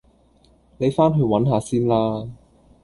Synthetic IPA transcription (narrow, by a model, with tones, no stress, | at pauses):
ne˨˧jfaː˥nɦɵ˧ɥwɐ˨˥nɦaː˨˧siː˥nlaː˥